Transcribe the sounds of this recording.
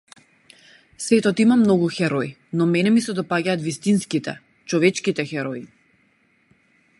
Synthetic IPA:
svɛt̪ɔt̪imamnɔɡuxɛɾɔi | nɔmɛnɛmisɛd̪ɔpaɟaːt̪vist̪inskit̪ɛ̰ | t͡ʃɔvɛt͡ʃkit̪ɛxɛɾɔi

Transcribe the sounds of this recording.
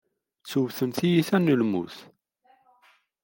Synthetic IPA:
t͡sːuvθənθijiθænːəlmṵθ

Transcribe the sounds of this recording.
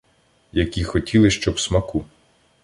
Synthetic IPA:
jɐkʲixɔtʲʰilˠɪʃt͡ʃɔbsmɐku

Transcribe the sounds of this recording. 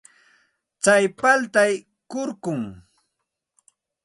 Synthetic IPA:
t͡sajpalt̪aj | kʊɾkʊŋ

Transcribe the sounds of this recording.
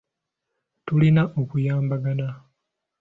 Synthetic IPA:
tulinaʔo̞kujaːmbaɡana

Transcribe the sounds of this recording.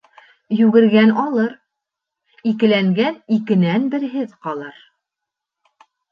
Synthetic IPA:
jʉɡɘ̆ɾɡænɒlˠɤɾ | ikɘ̆læŋɡænikɘ̆nænbɘ̆ɾɦɘðqɒlˠɤɾ

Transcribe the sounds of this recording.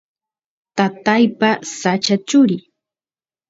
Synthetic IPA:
t̪at̪ajpasat͡ʃat͡ʃʊɾɪ

